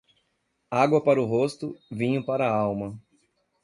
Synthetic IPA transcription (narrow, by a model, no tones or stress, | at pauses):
aɡwɐpaɾʊɦost̪ʊvĩɲʊ̃paɾɐawmɐ